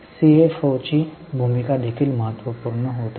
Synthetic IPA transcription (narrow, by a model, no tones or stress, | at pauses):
siefɔːt͡ʃibʱuːmɪkad̪ekʰɪlmɐɦət̪ʋəpuɾnəɦoːt̪a